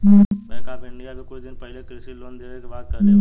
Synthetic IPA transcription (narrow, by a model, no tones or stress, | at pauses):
ɦbɛːkaːbɪ̃ɳɖijakekoid̪ɪnpɛɦlekesiloːnd̪eːʋekebaːt̪̚kɐɾɦe